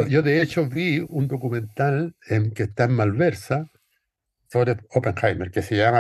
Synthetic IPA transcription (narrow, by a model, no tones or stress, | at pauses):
oʝo̞ðe̞et͡ʃo̞βiund̪o̞kumẽ̞nt̪ale̞ŋke̞st̪aemmalβe̞ɾsa | so̞βɾeðopẽ̞ŋxajmeɾke̞seʝama